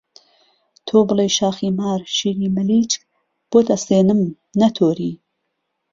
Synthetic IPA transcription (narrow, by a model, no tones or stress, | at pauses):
t̪ʰoːbɨlˠejʃaːxiːmaːɾʃiːɾiːmɨliːt͡ʃk̚ | b̥oːt̪ʰɐseːnɨm | nɐt̪ʰoːɾiː